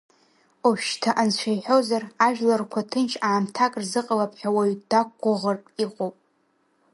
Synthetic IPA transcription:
oʃtʰaʔant͡ʃʷʰajħozaraʒᶣlarkʷʰatʰɨnt͡ʃʰaːmtʰakʼrzɨqʼalapʰʼħʷᶣawaɥdak̚ʷːaʁərtʼiqʼowpʼ

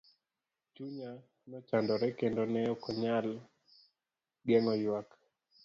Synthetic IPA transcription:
t͡ʃuɲa | nɔt͡ʃandɔɾɛkendonɛɔkɔɲal | ɡɛŋɔjwak

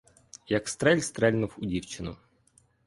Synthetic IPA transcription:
jɐkst̪ɾɛlʲst̪ɾɛlʲnuwʊdʲiwt͡ʃɪnʊ̰

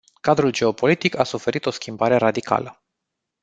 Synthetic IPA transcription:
kad̪ɾuld͡ʒe̞o̞po̞lit̪ikasufe̞ɾit̪o̞skʲimbaɾe̞ɾad̪ika̰lə

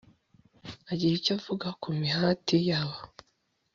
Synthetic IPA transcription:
aɟiɾicavuɡakumihatijaβa

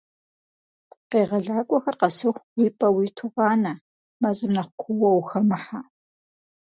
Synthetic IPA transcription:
qeːʁɐɮaːkʷʼɔxɐrqɐsɨxʷwiːpʼɐwiːtʰʊʁɑːnɐ | mɐzɨmnɐχʷkʷʰʊwɐwxɐmɨħa

